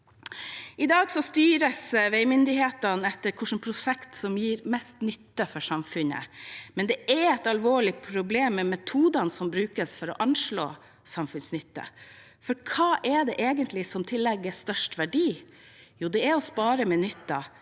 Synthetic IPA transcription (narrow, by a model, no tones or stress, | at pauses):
ɪd̪ɑːɡsɔst̪yːɾəsʋɛɪmʏnd̪ɪheːt̪ɑnɛt̪ːəɾkʰʊʂn̩pʰɾʊsɛkt̪sɔmjiːɾmɛst̪nʏt̪ːəfɔʂɑmfʉnə̰mɛnd̪ɛʔɛɾɛt̪ɑlʋoːɭɪpʰɾʊbleːmːɛmɛt̪ʰuːd̪ɑnsɔmbɾʉːkəsfɔɾɔ̰ʔɑnʂɭo̰ː | sɑmfʉnsnʏt̪ːə̰ | fɔɾkʰɑːʔɛɖ̪ɛʔeːɡənt̪lɪsɔmt̪ʰɪlːɛɡːəst̪œʂʈʋæɖiː | juːd̪ɛæɾɔspɑːɾəmɛnʏt̪ːɑ̰